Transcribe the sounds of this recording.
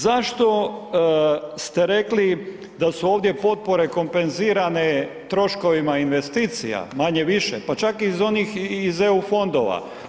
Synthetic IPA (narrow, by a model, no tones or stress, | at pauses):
zaʃt̪o̞ | st̪e̞ɾe̞kli | d̪asuo̞ːʋd̪je̞po̞t̪̚po̞ɾe̞ko̞mpe̞nziːɾane̞ | t̪ɾo̞ʃko̞ʋimainʋe̞st̪iːt̪sija̰maɲeʋiʃepat͡ʃakizo̞nixizeufo̞nd̪o̞̰ʋa̰